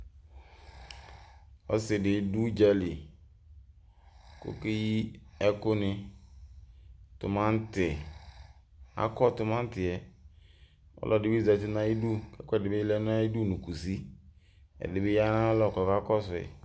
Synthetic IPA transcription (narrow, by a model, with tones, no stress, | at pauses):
ɔ̰˦sɪ˨dɪ˨˦du˦d͡ʒɛ˦li˨ | kʊ̰˦ki˦ji˦ɛ˦kʊ˦nɪ˧ | tʊ̰˨mã˦n̩˦tɪ˨ | a̰˦kɔ˦˨tʊ˨mã˦n̩˦tɪ˨ɛ˨ | ɔ̰˦lɔ˨dɪ˨bza˨tɪ˦na˦ji˦du˦kɛ˦kʊ˦ɛ˨dɪ˨bɪ˦lɛ˦n˦a˦i˦du˦˨nu˨ku˨si˦ | ɛ̰˨dɪ˨bɪ˦ja˦na˦lɔ˦˨kɔ˨ka˦kɔ˦sʊ˨ɛ̰˨